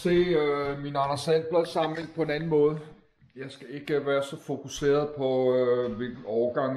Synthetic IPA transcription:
se̝̰ːminɑnɐsæn̰b̥leðˠsɑ̈mnle̝ŋ̰d̥pʰɒ̽e̝nænn̩mɔ̽ːð̞ˠ | jɑ̈ɪsɡ̥æe̝ɡ̥əʋæːɐsɒ̽fo̝kʰuse̝̰ːɐð̞ˠpʰɒ̽ʋelɡ̥̩ɒʊɐɡ̥ɑ̈ŋ

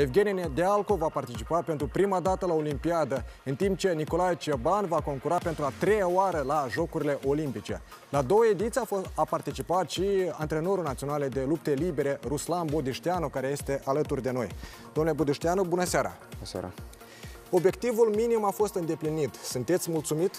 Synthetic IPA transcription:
e̞vɡʲe̞nʲned̪ealko̞vapart̪it͡ʃipapent̪ɾupɾimad̪at̪əlao̞limpiad̪əɨnt̪imp̚t͡ʃe̞niko̞lajt͡ʃebanvako̞ŋkuɾape̞nt̪ɾuat̪ɾe̞jaoaɾəlaʒo̞kuɾile̞ʔo̞limpit͡ʃe̞̰ | lad̪o̞wəe̞d̪it̪siafoapart̪it͡ʃipat̪ʃiant̪ɾe̞no̞ɾunat̪sio̞naled̪e̞lup̚t̪e̞libe̞ɾe̞ruslanbod̪ɨʃt̪eanukaɾe̞je̞st̪eʔalət̪urd̪e̞no̞̰j | d̪omnlebud̪iʃt̪ianubunəseaɾa̰ | o̞bje̞k̚t̪ivulminimafo̞st̪ɨnd̪e̞plinit̪sunt̪e̞t̪sʲmult̪sumit̪

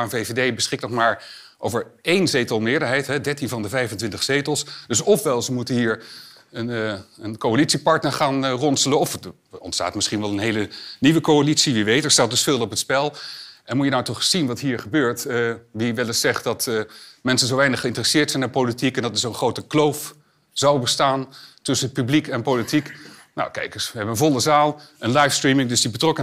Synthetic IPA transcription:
anvevedejbəsχɪknɔχmaːɹ | ʔowvəɹejnzejtəlˠmɪːɹdəɹɦɛjtɦɛdɛɹtinvɑndəvɛjvntʋɪntəχsejtəlˠsdɵsɔfʋɛlˠzəmutənɦiːɹ | ənənkowalitsipɑɹtnəɹχaːnrɔnsələnɔf | ɔ̰ntsta̰ːtmɪsχinʋɛlˠənɦejləniʋəkowalitsiʋiʋejtəɹstaːtdəspɪlˠɔpətspɛlˠʔɛnmujənawtɔχsinʋɑtɦiːɹχəbøːɹtʋiʋɛlɪsɛχt̚dɑtmɛnsənzowʋɛjnəχəɪntərəsɪːɹtsɛjnapolitikɛndɑtdɪsonχrowtəklowf | z̥awbəstaːntɵsənpyblikɛnpowlitik | na̰wkɛ̰jkəsʋəɦɛbənənvɔlˠəzaːlˠənlɑjfstrimɪŋdɵsdibətrɔkə

